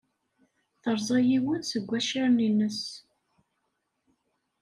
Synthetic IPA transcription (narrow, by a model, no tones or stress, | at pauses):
θəɾˤzˤɑjiwənsəɡʷːæʃiɾninːəs